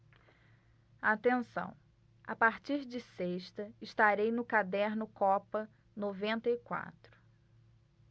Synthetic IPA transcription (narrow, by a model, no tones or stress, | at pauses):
at̪ẽsɐ̰̃w̃ | apaɾt͡ʃiɾd͡ʒɪseʃt̪ɐɪʃt̪aɾejnʊkad̪ɛɾnʊkɔpɐ | novẽnt̪ɐikwa̰t̪ɾʊ̥